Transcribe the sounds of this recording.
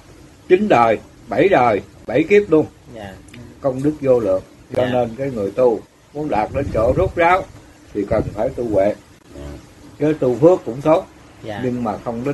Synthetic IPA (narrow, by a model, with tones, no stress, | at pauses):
t͡ɕï˨˦ŋ̟ɗəː˨˩j | ɓə˧˩jɗəː˨˩jɓə˧˩jki˦˥əp̚ɗlu˧əm | kə˧wŋ͡mɗɨ˦˥k̚zo˧lɨ̰˧˨əŋ | t͡ɕɔ˧ne˧nkaː˨˦jŋɨ˨˩əjt̪u˧ | mu˨˦ənɗaː˨˩t̚ɗe˨˦nt͡ɕo˧˩zu˦˥t̚zaː˨˦w | t̪ʰi˨˩kə˨˩nfaː˧˩jt̪u˧wḛ˧˨ | t͡ɕəː˨˦t̪u˧fɨ˦˥əkːʊ̰˧˥ŋ͡mt̪o˦˥t̚ | ɲɨ˧ŋmaː˨˩xə˧wŋ͡mɗe˨˦